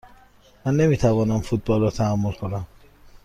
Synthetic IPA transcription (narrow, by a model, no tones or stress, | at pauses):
manːemit̪ʰaβɔnamfut̪̚bɔlɔt̪ʰaamɔlkʰɔlam